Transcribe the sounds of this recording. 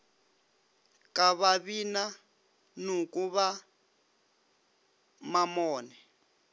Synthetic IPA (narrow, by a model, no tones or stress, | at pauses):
kʼaβaβina | nukʼuβa | mamɔːnɛ